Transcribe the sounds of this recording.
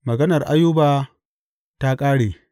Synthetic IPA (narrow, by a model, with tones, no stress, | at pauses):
mɐ˨ɡɐ˦nɐ˨rʔa˦jʊ˦baː˨ | ta˦kʼaː˦ɽeː˨